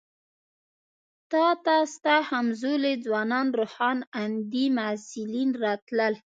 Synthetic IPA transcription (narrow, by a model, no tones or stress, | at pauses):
t̪ɑt̪ɑst̪ahamzoled͡zwɑnɑnɾohɑnand̪imasɪlinɾɑt̪ləl